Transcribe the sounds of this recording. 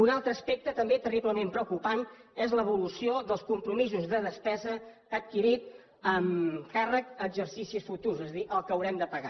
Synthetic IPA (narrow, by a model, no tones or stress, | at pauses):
unalˠt̪ɾəːspek̚t̪ət̪əmbet̪əripləmempɾəkupanɛzləβ̞ulusioðəlˠskumpɾumizuzðəðəspɛzəː | t̪̚kiɾit̪̚ | əmkarəkəɡzərsisisfut̪urzɛzəðiʔəlˠkəwɾɛmd̪əpəɣa̰